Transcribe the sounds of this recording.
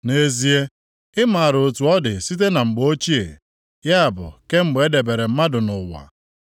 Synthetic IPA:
ne˦zi˦e˦ | ɪ˦ma˨a˨ɾo˨tu˨ɔ˦dɪ˨si˦t̬e˦na˨ŋ͡m̩˨ɡ͡bo˦t͡ʃi˦ḛ˨ | ja˦a˨bʊ̰˨ke˦ŋ͡m̩˨ɡ͡be˦de˨be˨ɾe˨m̩˦ma˦dʊ˨nʊ˨wa̰˨

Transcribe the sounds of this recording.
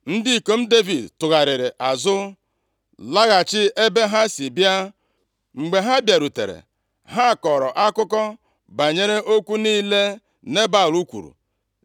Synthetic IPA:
n̩˦di˦˨ko˦m̩˦de˦vi˨dtʊ˨ɣa˨ɾɪ˨ɾɪ˨ʔa˨zʊ˦ | la˦ɣa˨t͡ʃɪ˦e˦be˦ɦa˦si˨bja˦ | ŋ͡m̩˨ɡ͡be˨ɦa˦bja˨ɾu˨tḛ˨ɾḛ˨ | ɦa˦˨kɔ˨ɾɔ˨ʔa˦kʊ˦kɔ˦ | ba˨ɲe˦ɾe˦ʔo˦kʷu˦niː˦le˦ | ne˦ba˦˨lu˦kʷṵ˨ɾṵ˨

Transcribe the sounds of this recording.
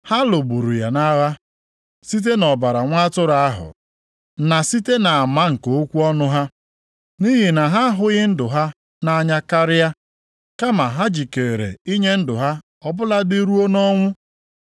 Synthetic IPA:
ha˦lo˨bu˨ɾu˨ja˨na˦ɣa˦ | si˦t̬e˦nɔ˨ba˨ɾa˨ŋʷa˦tʊ˦ɾa˨a˦ɦʊ̰˨ | na˨si˦te˦na˨a˨ma˦ŋ̩˨koo˦kʷu˦ɔ˦nʊ˦ɦa˦ | ni˦ɦi˨na˨ɦa˦ɦʊ˨ɣɪ˦n̩˦dʊ˨ɦa˦ | na˦a˦ɲa˦ka˦ɾɪ˦ja˦ | ka˦ma˨ɦa˦d͡ʒi˨ke˨ɾḛ˨i˦ɲe˦n̩˦dʊ˨ɦa˦ | ɔ˦bʊ˦la˦dɪ˦ɾu˦o˦nɔ˦ŋʷʊ˦

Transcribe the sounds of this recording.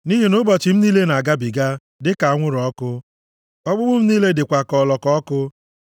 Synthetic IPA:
ni˦ɦi˨nʊ˦bɔ˨t͡ʃɪ˨m̩˦niː˦le˦na˨a˨ɡa˦bi˨ɡa˦ | dɪ˦ka˨a˨ŋʷʊ˦ɾɔ˦kʊ˦ | ɔ˦ɡ͡bʊ˦bʊ˦m̩˦niː˦le˦dɪ˨kʷa˨kɔ˨lɔ˨kɔ˦ɔ˦kʊ˦

